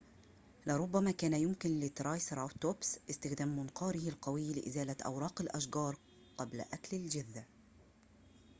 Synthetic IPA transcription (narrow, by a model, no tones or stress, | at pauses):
lɪɾˤʊbːamaːkæːnajʊmkɪnlɪt̪ɾˤɑːjsɾˤʔat̪obsʔɪst̪ɪxd̪aːmːʊnqɑːɾɪhɪlqɑwɪjːlɪʔɪzaːlat̪ʔa̰wɾˤɑːqɪlʔaʃɡɑːɾˤ | qɑbla̰ʔaklɪld͡ʒɪðːa